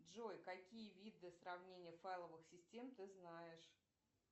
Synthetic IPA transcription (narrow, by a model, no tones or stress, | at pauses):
dʐojkɐkʲijəvʲid̪ɨsrɐvnʲenʲɪjəfajlˠəvɨxsʲɪsʲtʲe̞mt̪ɨznajɪʂ